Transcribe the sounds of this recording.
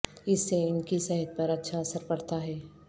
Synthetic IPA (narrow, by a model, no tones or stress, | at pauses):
ɪsːeɪnkisɛɦət̪̚pɐɾɐtːʃʰaɐsəɾpɐɽt̪aɦɛː